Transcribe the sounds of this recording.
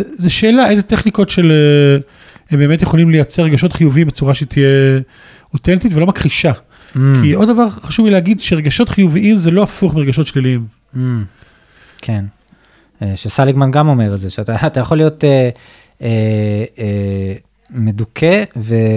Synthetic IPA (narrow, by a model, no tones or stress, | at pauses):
ezeʃeːlaʔe̞jzeteχniko̞tʃele | hembeːmetjeχo̞limlejat͡seʁeɡaʃo̞tχijuviimbet͡suʁaʃet̪ʰije | otentitvelomakʁiʃa | kʰiʔo̞ddavaʁχaʃuvileaɡidʃeʁeɡaʃo̞tχijuviimzelo̞afuχmiʁeɡaʃo̞tʃliliim̩ | kʰen | eʃesaliɡmanɡamomeʁezeʃeataːtajaχolijo̞te | e | medukʰeve